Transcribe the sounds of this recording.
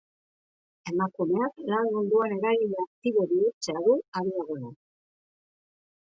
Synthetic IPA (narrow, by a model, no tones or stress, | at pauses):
e̞makume̞aklanmund̪uane̞ɾaɣileak̚t̪iβoβiuɾt͡seaðuaɾiðaɣ̞o̞na